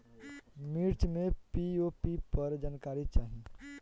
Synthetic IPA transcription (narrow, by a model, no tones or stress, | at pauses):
miɾt͡ʃmẽpiopipəɾd͡ʒaːnkaːɾit͡ʃaːɦi